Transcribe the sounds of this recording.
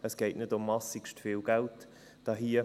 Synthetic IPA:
əsɡ̥eɪtnɪdʊmːɑsikʃtfiːlɡ̥alt | d̥ɑɦiːə

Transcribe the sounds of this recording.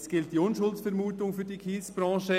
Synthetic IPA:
sɡ̥ɪlt̚d̥iːʊnʃʊltsfɛɾmuːtʊŋfyːɾdiːkʰiːsb̥ɾɑ̃ːʃə

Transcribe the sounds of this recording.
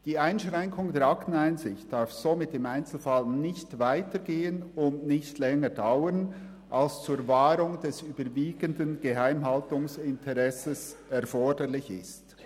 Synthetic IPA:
d̥iːaɪnʃʁɛŋkʰʊŋdeːɾaktn̩aɪnzɪçt̚d̥aɾfz̥omɪtɪmaɪnt͡sl̩falnɪçtvaɪtəɡeːənʊndnɪçtlɛŋədaʊən | ʔalst͡suːɾvaːɾʊŋdɛsyːbəɾviːɡəndənɡ̥əɦaɪmɦaltʊŋsɪntʰɛʁɛsəsɛɾfɔɹdəɾlɪçɪ̰st

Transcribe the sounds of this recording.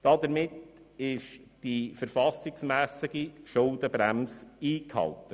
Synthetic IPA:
d̥ɑd̪əɾmɪtɪʃd̥ifəɾfɑsɪɡsmæːsɪɡiʃʊldəbɾæmsiːkhɑ̰ltə

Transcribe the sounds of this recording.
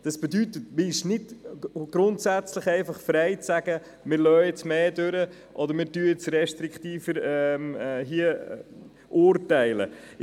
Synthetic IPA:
d̥ɑsb̥ɛdytətmɪʃnɪtɡ̥ɾʊntsæt͡sləχɛɪfɑχfɾɛɪt͡sæɡ̥ə | mɪɾlœːɪt͡smeːdøɾə | ʔɔdəɾmɪːɾtyəɪt͡srɛʃtɾɪkχt̪iːfəɾɛmɦiə | ʔʊːɾtɛɪlə̰

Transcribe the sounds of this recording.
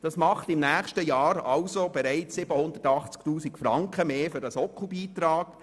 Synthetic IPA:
d̥ɑsmɑχtɪmnæːχʃtəjɑːɾɑʊsob̥ɛɾæɪt͡ssɪbəhʊnd̪ətɑχt͡sktuːsikfɾɑŋkχəmeːfʏɾdɑsɔkχubiːt̪ɾɑːk

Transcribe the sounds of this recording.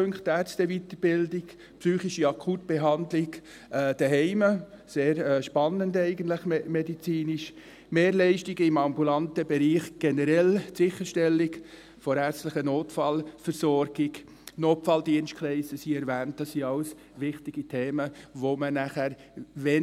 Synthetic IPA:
øŋkχtæɾt͡stəʋit̪əɾb̥ɪldɪɡ | psyːχiʃiɑkʰuːt̚b̥ɛɦɑndlɪɡ | d̥ɛɦɛɪməseːɾɛʃpɑnːəndɛɪɡəntləχmɛdit͡siːniʃ | meːɾlɛɪʃtɪɡəɪmɑmbulɑntəbɛɾiːχɡ̥ɛnəɾɛlsɪχəʃtɛlːɪɡ | fɔɾæɾt͡sstləχənoːtfɑlfəɾsɔɾɡ̥ɪɡ | noːtfɑldiənst̚kʰlɛɪsəsiɛɾʋæːnt̚d̥ɑsːiɑʊs | ʋɪχtɪɡ̥itʰeːməʋomənæχæɾ | ʋɛ

